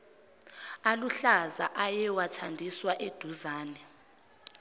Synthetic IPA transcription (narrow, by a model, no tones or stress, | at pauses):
aluɬaza̰ʔajɛwatʰandʱiswaʔed̥ʱuzaːnɛ